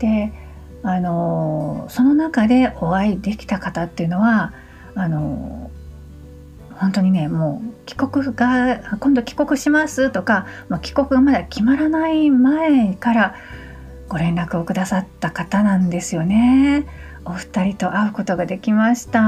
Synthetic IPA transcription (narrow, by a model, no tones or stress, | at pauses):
d̪̥e̞ | ano̞ | so̞no̞nakad̪e̞ʔo̞aid̪e̞kʲi̥t̪akat̪at̪ːejɯ̟no̞βaː | no̞̰ | hõnt̪o̞ɲ̟ine̞mo̞ːkʲi̥ko̞kɯ̟ɡ̥akõ̞nd̪o̞kʲi̥ko̞kɯ̟ɕimasɨt̪o̞kamokʲi̥ko̞kɯ̟ɡamad̪akʲimaɾanaimaekaɾa | ɡ̥o̞ɾẽ̞nɾakɯo̞kɯ̟d̪asat̪ːakat̪anãnd̪e̞sɨjo̞ne̞ | oɸɯ̟̥t̪aɾʲit̪o̞ʔaɯ̟ko̞t̪o̞ɡad̪e̞kʲimaɕi̥t̪a